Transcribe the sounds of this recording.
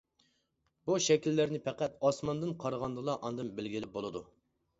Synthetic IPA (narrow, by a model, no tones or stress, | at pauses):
buʃɛkʲilːɪɾnɪpʰɛqæt̪ɑsmɑnd̪ɨnqʰɑɾʁɑnd̪ɨlˠɑʔɑnd̪ɨnbɪlɡʲilɪp̚bolˠɨd̪u